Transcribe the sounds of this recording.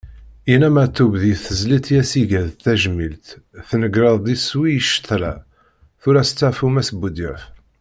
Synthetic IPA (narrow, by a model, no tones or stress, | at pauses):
inæmæt̪ːubðiθəzlit̪jæsiʝæðt̪ːæʒmilt̪θnəɡɾɑðˤd̪iswijəʃːə̥t̪ˤɾæ | θʊɾæst͡sːæfumæsbud̪əɾf